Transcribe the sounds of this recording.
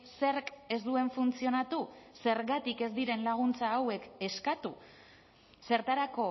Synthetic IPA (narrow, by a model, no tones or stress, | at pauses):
se̞rke̞zd̪ue̞ɱfunt͡sio̞nat̪use̞ɾɣat̪ike̞zd̪iɾe̞nlaɣ̞unt͡saːwe̞ke̞skat̪u | se̞ɾt̪aɾako̞